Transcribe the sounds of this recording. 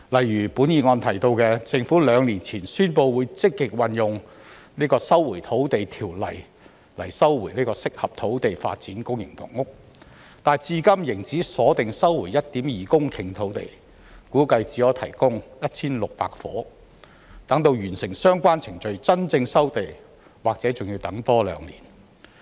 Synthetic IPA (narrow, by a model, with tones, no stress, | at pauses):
lɐ˨jɥyː˨˩puː˨˥njiː˨˧ŋɔː˧nt̪ʰɐ˨˩jt̪o˧wkɛː˧t͡sɪ˧ŋfuː˨˥lœː˨˧ŋliː˨˩nt͡sʰiː˨˩nsyː˥npo˧wwuː˨˧jt͡sɪ˥kːɪ˨k̚wɐ˨njʊ˨ŋ | niː˥kɔː˧sɐ˥wwuː˨˩jt̪ʰo˨˥wt̪e˨jt̪ʰiː˨˩wlɐ̰˨˩j | lɐ̰˨˩jsɐ˥wwu˨˩jniː˥kɔː˧sɪ˥k̚hɐ˨p̚t̪ʰo˨˥wt̪e˨jfa̰ː˧t̚t͡siː˨˥nkʊ˥ŋjɪ̰˨˩ŋfɔ̰ː˨˩ŋŋʊ˥k̚ | t̪aː˨nt͡siː˧kɐ˥mjɪ˨˩ŋt͡siː˨˥sɔː˨˥t̪ɪ˨ŋsɐ˥wwuː˨˩jɐ˥t̚t̪iː˨˥mjiː˨kʊ˥ŋkʰɪ˨˩ŋt̪ʰo˨˥wt̪ḛ˨j | kuː˨˥kɐ˧jt͡siː˨˧˥jɔː˨˥t̪ʰɐ̰˨˩jkʊ˥ŋjɐ˥t̚t͡sʰiː˥nlʊ˨k̚pa̰ː˧k̚fɔ̰ː˨˥ | t̪ɐ˨˥ŋt̪o˧wjyː˨˩nsɪ˨˩ŋsœː˥ŋkʷaː˥nt͡sʰɪ˨˩ŋt͡ʃɵ˨ɥt͡sɐ˥nt͡sɪ˧ŋsɐ˥wt̪e˨j | waː˨k̚t͡sɛː˨˥t͡sʊ˨ŋji˧wt̪ɐ˨˥ŋt̪ɔː˥lœ̰ː˨˧ŋliː˨˩n